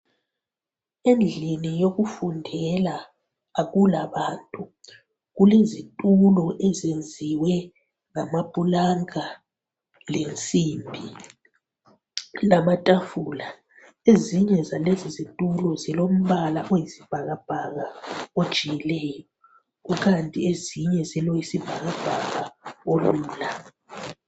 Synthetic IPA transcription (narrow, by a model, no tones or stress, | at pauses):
end͡ɮʱinijoɣufundʱɛlaː | ɣulaβantʼu | ɣulezitʼulɔʔɛzend͡zʱiwɛ | ŋamab̥ʱʼulaŋa | lent͡sʼimbʱi | lamatʼafula | eziɲɛzalezizitʼulɔzilom̩βalaʔojisi̥b̥ʱaɣab̥ʱaɣaod̥ʒ̥ʱijilɛːjɔ | uk̬ʰantʼieziɲɛzɛlɔjisib̥ʱaɣab̥ʱaɣaoluːla